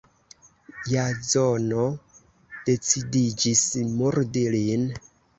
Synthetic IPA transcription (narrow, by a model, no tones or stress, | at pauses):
jazono | d̥e̞t͡sidid͡ʒismuɾdilin